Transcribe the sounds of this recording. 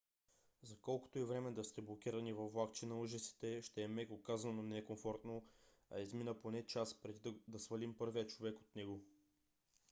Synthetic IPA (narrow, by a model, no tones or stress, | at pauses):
zɐkɔlˠko̥t̪oɛvɾɛmɛd̪ɐst̪ɛblˠok̟ʲiɾɐnivɐflˠakt͡ʃɛnɐuʒəsi̥t̪ɛʃt̪ɛːmɛkokazɐnonɛkomfɔɾt̪no | ɐ̰izminəponɛt͡ʃaspɾɛd̪id̪d̪ɐsvɐlimpɤɾviət͡ʃovɛko̥t̪nɛɡo